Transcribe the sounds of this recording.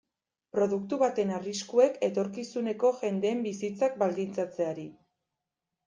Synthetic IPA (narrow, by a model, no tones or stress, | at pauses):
pɾo̞ðukt̪uβat̪e̞nariskue̞kʰe̞t̪o̞ɾkisune̞ko̞ʝe̞nd̪e̞ːmbisit͡sak̚bald̪int͡sat͡se̞aɾi